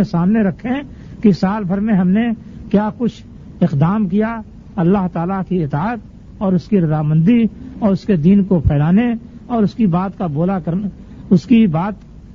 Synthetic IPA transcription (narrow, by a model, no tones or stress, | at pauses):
esaːmneɾɐkʰːẽ | kisaːlbʱəɾmẽɦɐmne | kjaːkʊt͡ʃʰ | ɪqd̪aːmkija | ɐlːaɦt̪aːlakiɪt̪aːət̪̚ | ɔːɾʊskiɾɐzaːmə̃nd̪iɔːɾʊsked̪iːnkopʰɛːlaːneɔːɾʊskibaːt̪kaboːlakɐɾ | ʊskibaːt̪